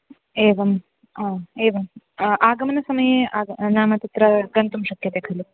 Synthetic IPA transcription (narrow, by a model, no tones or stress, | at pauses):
eːʋɐm | aːeːʋɐm | ʔaːɡɐmɐnɐsɐmɐjeaːnaːmɐt̪it̪ɾɐɡɐnt̪umʃɐkʰjɐt̪eːkʰɐlu